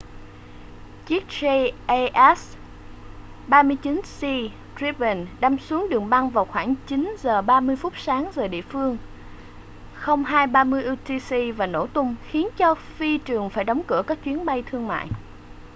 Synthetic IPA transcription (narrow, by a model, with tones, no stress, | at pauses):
t͡ɕi˦˥k̚se˧ʔʔɛ˦˥s | ɓaː˧mɨ˧əjt͡ɕi˨˦nsi˧ | tɹi˧˥bə˨˩nɗa˧msu˨˦əŋɗɨ˨˩əŋɓa˧ŋvaː˨˩wxwaː˧˩ŋt͡ɕi˨˦nzəː˨˩ɓaː˧mɨ˧əjfʊ˦˥t̚saː˨˦ŋzəː˨˩ɗḭ˧˨əfɨ˧əŋ | xə˧wŋ͡mɦaː˧jɓaː˧mɨ˧əjʔu˧t̪i˧si˧vaː˨˩no̰˧˩t̪ʊ˧wŋ͡mxi˨˦ənt͡ɕɔ˧fi˧t͡ɕɨ˨˩əŋfaː˧˩jɗɔ˨˦wŋ͡mkɨ˧˩əkaː˦˥k̚t͡ɕwi˨˦ənɓa˧jt̪ʰɨ˧əŋma̰ː˧˨jʔ